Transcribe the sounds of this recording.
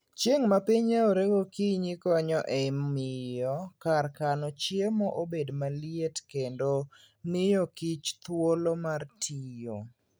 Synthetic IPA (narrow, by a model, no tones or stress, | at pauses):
t͡ʃjeŋmapiɲeoɾeɡokiɲikɔɲɔʔɛmɪjɔkarkanɔt͡ʃjemɔʔobedmalietkendo | nɪjokit͡ʃt̪wolomartʰijo